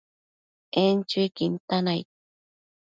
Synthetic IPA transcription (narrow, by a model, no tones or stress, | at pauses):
ent͡ʃʊkint̪anajt̚